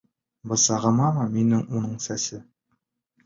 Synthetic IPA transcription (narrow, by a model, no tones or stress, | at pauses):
bɤ̆sɑʁɤ̆mɑmɤminɘŋunɤɴsæsɘ